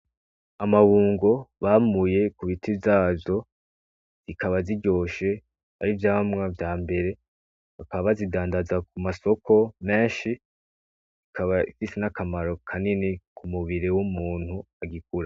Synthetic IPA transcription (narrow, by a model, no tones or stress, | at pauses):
amaβuːŋɡo̞βamuje̞kuβitʰivjaːzo̞ | z̥ikaβaziɟo̞ːʃe̞ | a̰ɾivjaːβamŋavjaːmbe̞ɾe̞ | akaβazidaːndazak̚umaso̞kʰo̞me̞ːnʃi | zikʰaβaifisenakamaɾo̞kʰaninikʰumuβiɾewumuːn̥huaɡikuɾa